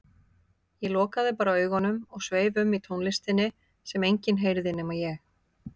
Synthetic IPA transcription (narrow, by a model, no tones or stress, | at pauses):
jɛl̪ɔːkaðɪpaːɾaœːɥɣɔnʏmɔɣsveːjvʏmːit̪ʰownlɪst̪ɪnːɪ | sɛmejɲcɪnɦejɾðɪnejmajɛx